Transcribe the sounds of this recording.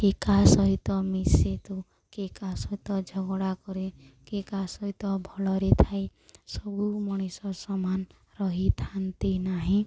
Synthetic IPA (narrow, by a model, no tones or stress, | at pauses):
kekasɔɦit̪ɔmiset̪u | kekasɔɦit̪ɔd͡ʒʱɔɡɔɽakɔɾe | kekasɔɦit̪ɔbʱɔlɔɾet̪ʰajsɔbumɔɽ̃isɔsɔman | ɾɔɦit̪ʰant̪inaɦĩ